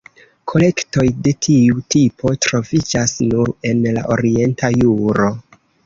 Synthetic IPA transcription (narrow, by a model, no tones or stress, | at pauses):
kʰo̞le̞kto̞jde̞tʰiutipʰo̞tɾo̞vid͡ʒasnuɾe̞nla̰ʔo̞ɾie̞ntʰajuɾo̞